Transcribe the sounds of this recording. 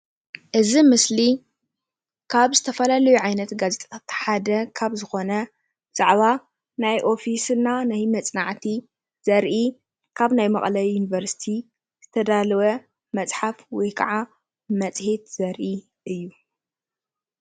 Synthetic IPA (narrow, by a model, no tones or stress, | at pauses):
ʔɨzimɨsli | kʰaβzɨt̪ʰɐfɐlalɐjuʕajnɐt̪ɡazet̪ʼt̪ʰat̪ħad̪ɐkʰaβzɨxo̞nɐ | z̥ʼaʕβa | najʔo̞fisɨnːanajmɐt͡sʼnaʕt̪ʰi | z̥ɐɾʔi | kʰaβnajmɐχʼlɐjjunivɐɾsi̥t̪ʰi | z̥ɨt̪ʰɐd̪alɐwɐ | mɐt͡sʼħafwɔjkʰɐʕa | mɐt͡sʼhe̞t̪z̥ɐɾʔi | ʔɨjːu